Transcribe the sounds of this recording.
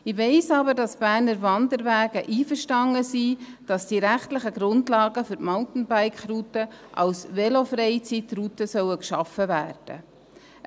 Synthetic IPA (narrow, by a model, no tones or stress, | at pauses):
ɪʋeɪsɑbəɾdɑsb̥æːɾnəɾvɑndəɾvæːɡəʔiːfəɾʃtɑŋəsid̥ɑsd̥iɾæχtlɪχəɡɾʊndlɑːɡəfʏɾtmɔltn̩baɪkχrutəʔɑ̰wsvɛlofɾɛjt͡sitrutəsœwəkʃɑfəvæːrd̥ə̰